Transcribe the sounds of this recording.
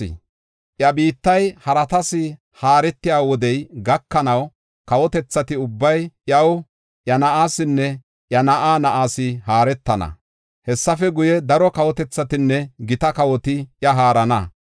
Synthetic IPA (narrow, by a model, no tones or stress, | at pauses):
ʔjɐbiːt̪ːɐjhɐɾɐt̪ɐsɪ | haːɾɛt̪ːɪjaːwɔd̪ɛjɡɐkːɐnɐw | kɐwɔt̪ɛt͡sːɐt̪ɪʊbːɐjjɐw | ʔjɐnɐʔaːsɪnːɛ | ʔjɐnɐʔaːnɐʔaːsɪɦaːɾɛt̪ːɐnɐ̰ | hɛsːɐfɛɡʊjɛd̪ɐɾɔkɐwɔt̪ɛt͡sːɐt̪ɪnːɛɡɪt̪ɐkɐwɔt̪ɪjɐɦaːɾɐnɐ̰